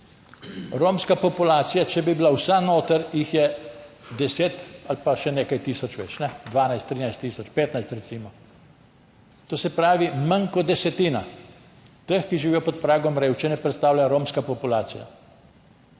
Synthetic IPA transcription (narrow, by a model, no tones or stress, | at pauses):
ɾoːmskapɔpulaːt̪sijat͡ʃɛbibilawsanoːt̪əɾjixjɛ | d̪ɛseːt̪alpaʃɛneːkajt̪iːsɔt͡ʃʋɛ̰t͡ʃnɛd̪ʋaːnajst̪ːɾiːnajst̪ːiːsɔt͡ʃpeːt̪najst̪ɾɛtsiːmɔ | t̪oːsɛpɾaːʋiməŋkɔd̪ɛsɛt̪iːna̰ | t̪əxkiʒiʋiːjɔpɔt̪̚pɾaːɡɔmɾeːwʃt͡ʃinɛpɾɛt̪st̪aːwlaɾoːmskapɔpulaːsija̰